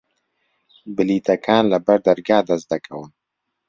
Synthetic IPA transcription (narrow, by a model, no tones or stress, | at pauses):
bɪlit̪akʰɑːnlabaɾd̪aɾɡɑːd̪azd̪akʰawən